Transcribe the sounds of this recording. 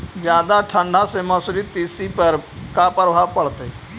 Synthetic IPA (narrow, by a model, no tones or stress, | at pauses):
zjaːd̪aʈʰə̃ɳɖʱãsemãsʊɾit̪iːsipəɾkapɾəbʱaːʋpəɽt̪e